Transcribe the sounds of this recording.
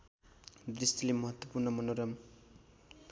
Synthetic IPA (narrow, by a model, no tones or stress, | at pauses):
d̪rist̪ilemʌɦʌt̪wʌpurnʌmʌnoɾʌm